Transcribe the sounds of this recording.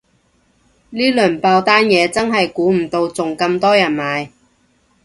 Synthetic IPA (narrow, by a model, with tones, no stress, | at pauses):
liː˥lɵː˨˩npaː˧wt̪aː˥njɛː˨˧t͡sɐ˥nɦɐ˨jkuː˨˥m̩˨˩t̪o˧wt͡sʊ˨ŋkɐ˧mt̪ɔː˥jɐ˨˩nmaː˨˧j